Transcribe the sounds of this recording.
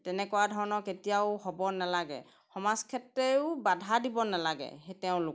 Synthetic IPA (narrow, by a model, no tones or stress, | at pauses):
tɛnɛkɔwadʱɔɹnɔketijaʊɦobɔnalaɡɛ̰ | xɔmaskʰɛtɹeʊbadʱadibɔnalaɡɛ̰hetɛʊ̃lʊk